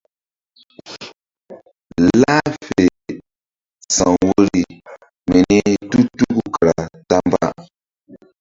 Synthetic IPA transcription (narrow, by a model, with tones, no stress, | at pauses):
laː˦fe˨ | sa˨ŋwo˦ɾi˦ | mi˨ni˦tu˦tu˦ku˨ka˨ɾa˨ta˦m˦ba̰˦